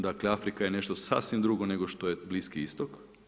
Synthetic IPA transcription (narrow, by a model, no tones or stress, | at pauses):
d̪akleafɾikajene̞ʃt̪osa̰ːsʋimd̪ɾuɡone̞ɡo̞ʃt̪o̞jebliskiist̪ok